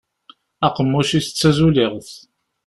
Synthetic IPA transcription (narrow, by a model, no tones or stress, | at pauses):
æqəmːʊʃiθə̥t͡sːæzulɪʁθ